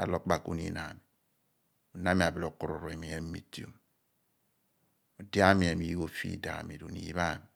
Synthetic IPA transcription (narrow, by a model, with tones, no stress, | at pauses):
a̰˨lo˨k͡pa˨ku˦nḭ˨˦na˨mi˨ | o˨na˦mi˨a˨bi˨lo˨ku˨ɾo̰˨ɾo˨e˨mi˨je˦n˦m̩˦mi˦ti˦o̰˦˨m | o˨dja˦mi˨e˨mi˨˦o˦fḭ˦da̰˨mi˨do̰˨nḭ˨i˦βa˦˨mi˨